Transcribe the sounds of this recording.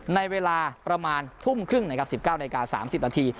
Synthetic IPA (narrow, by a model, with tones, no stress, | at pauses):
na˧jweː˧laː˧pɾa˧maː˧nt̪ʰu˥˩mkʰɾɯ˥˩ŋna˦˥kʰa˦˥p̚si˨˩p̚kaː˥˩wna˧i˧kaː˧sa̰ː˩˦msi˨˩p̚naː˧t̪ʰiː˧